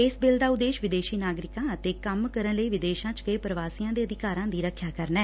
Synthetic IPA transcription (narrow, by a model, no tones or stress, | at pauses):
ɪsbɪld̪aːʊd̪eːʃʋɪd̪eːʃiːnaːɡɾɪkãːət̪eːkəmkəɾənləiːʋɪd̪eːʃãːt͡ʃkəeːpɾəʋaːsiːjãːd̪eːəd̪ɪkaːɾãːd̪iːɾəkʰːjaːkəɾnɛː